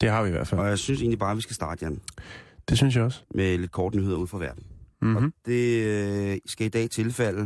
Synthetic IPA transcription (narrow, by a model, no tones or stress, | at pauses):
d̥e̝ɦɑ̈ʋiiʋæɐ̰d̥fæɒjäɪsynse̝̰ːnlibɑ̈ːʋisɡ̥æsd̥ɑ̈ːd̥əjemd̥e̝synsjäɒ̽smʔele̝d̥̚kʰɒːd̥ənyhe̝ð̞̰ˠuð̰ˠfʁɑ̈ʋæɐd̥n̩ɒ̽d̥e̝ | sɡ̥æid̥ɛ̰ːt͡sʰe̝lfel̰ə